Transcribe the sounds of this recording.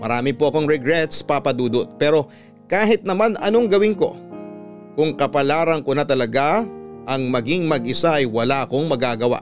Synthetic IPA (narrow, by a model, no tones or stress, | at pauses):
mɐ̰ɾaːmɪpoʔɐkoŋɾɛɡɾɛt̪spapɐd̪uːd̪ot̪̚pɛːɾo̞ | kaːɦɪt̪̚nɐmanɐno̞ŋɡɐwɪŋko̞̰ | kʊŋkɐpɐlaːɾɐŋkonɐt̪ɐlɐɡaʔɐŋmɐɡiŋmɐɡʔɪsaʔɐjwɐlaʔɐko̞ŋmɐɡaːɡɐwa̰ʔ